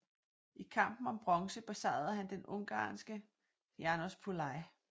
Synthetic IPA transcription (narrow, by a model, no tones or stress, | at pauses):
ʔikʰɑ̈m̰b̥n̩ɒ̽mb̥ʁɒ̽ŋsəb̥esɑ̈ɪð̩ˠɦænd̥enɔŋɡ̥ɑ̰̈ːnsɡ̥ə | jɑnospʰulɑ̈ɪ